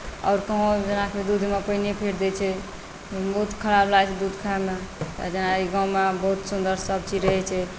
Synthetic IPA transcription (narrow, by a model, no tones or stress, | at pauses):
ɔ̰ʊɾkəɦõd͡ʒenakeed̪ud̪ʱmepəinepʰeɾd̪ɛt͡ʃʰɛ | bəɦut̪kʰəɽablajt͡ʃʰɛd̪ud̪ʱkʰaɛmḛd͡ʒenaiɡãũmebəɦut̪sund̪əɾsəb̚t͡ʃid͡ʒɾəɦɛt͡ʃʰɛ